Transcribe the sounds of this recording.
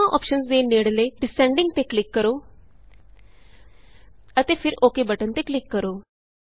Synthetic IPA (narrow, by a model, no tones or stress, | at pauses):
ãːʔɔ̰ːpʃənsd̪eːneːɽləːɖɪsɛ̃ːɳɖɪ̃ŋɡ̚t̪eːklɪkːəɾoː | ət̪eːpʰɪɾoːkeːbəʈənt̪eːklɪkːəɾoː